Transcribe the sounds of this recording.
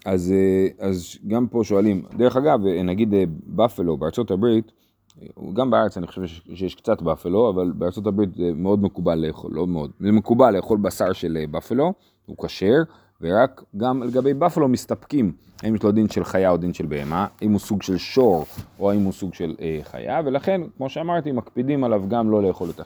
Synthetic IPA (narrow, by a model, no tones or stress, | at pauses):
azeazɡampo̞ʃo̞alimd̪e̞ʁe̞χaɡavnaɡid̪ebafelo̞beaʁt͡so̞tabʁit | ɡambeaʁet͡sanixχoʃevʃejeʃkt͡satbafelo̞avalbeaʁt͡sotabʁit̪emeo̞d̪mekubalːeːχo̰lomeo̞d̪̚lemekubalːe̞ːχo̞lbasaʁʃe̞lebafelo̞ | hṵkaʃe̞ʁ | veʁakɡamle̞ɡabe̞jbafelo̞mist̪apkim | haimjeʃlo̞d̪inʃelχajao̞d̪inʃe̞lbeːemaaimhusuɡʃe̞lʃo̞ʁʔo̞aimhusuɡʃe̞leχa̰ja̰ve̞laχe̞nkmo̞ʃeamaʁt̪imakpidimalavɡamlo̞le̞jeχo̞let̪a